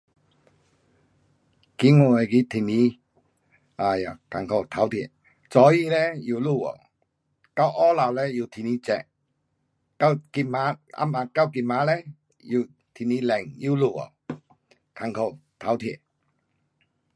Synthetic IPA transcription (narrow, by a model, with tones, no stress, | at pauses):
ki˧˦ŋo˧˨e˨˧˨ki˧˦t̪ʰi˨ni˧˦ | a˧˨ja˨ka˨ŋkʰo˧˩wt̪ʰa˨˦wt̪ʰi˧˨ | t͡sɔ˨˦ji˧˨lɛ˦ju˧˨lu˧˨o̰˨˩˨ | ka˧˩wʔɔ˦la˨wlɛ˧˦ju˧˨t̪ʰi˨˧ni˧˦t͡sɛ˧˨ʔ | ka˧˩wki˧ma˧˦a̰˧˥ma˧ka˥˧˩wki˧˨ma˨˦lɛ˦ | ju˧˩˨ | t̪ʰi˨ni˧˦lɛ˨˩ŋju˦˧˨lu˧˩o̰˨˩ | kʰa˧˨ŋkʰo˧˩wt̪ʰa˨˦wt̪ʰi˧˩˨